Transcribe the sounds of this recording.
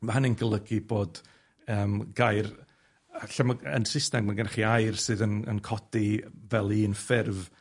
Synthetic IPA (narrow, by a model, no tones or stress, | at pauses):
mahanɪnɡəlˠəɡiboːd̥ | əːmɡ̥ajr | aɬamaə̰nsɪstɛmmaɡənaχiajrsɨːðənə̰nkʰɔdivɛlˠiːnfɪrv